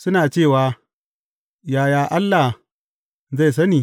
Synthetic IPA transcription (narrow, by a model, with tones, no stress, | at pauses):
sʊ˦naː˨t͡ʃeː˦˨waː˦ | jaː˨jaː˨ʔa˦lːa˨h | za˦˨js̬ɐ˦niː˨